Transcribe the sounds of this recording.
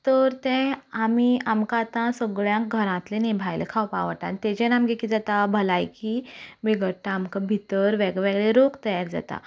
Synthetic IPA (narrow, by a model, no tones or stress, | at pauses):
t̪əɾt̪ɛ̃amiamkat̪ãsəɡɭjãkɡʱəɾãt̪lenebʱajlekʰawpa̰ʋəʈ̪a̰nt̪ed͡ʑenamɡekid͡zat̪abʱəlajkimiɡəʈːaːmkabʱit̪əɾʋeɡʋeɡɭeɾokt̪əjaɾd͡za̰t̪a̰